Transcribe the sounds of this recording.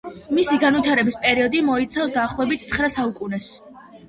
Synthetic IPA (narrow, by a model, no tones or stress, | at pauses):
misiɡanvit̪ʰaɾɛbispʼɛɾiɔd̪imɔit̪sʰafsd̪aːχlˠɔɛbit̪ʰt̪sʰχɾasaukʼunɛs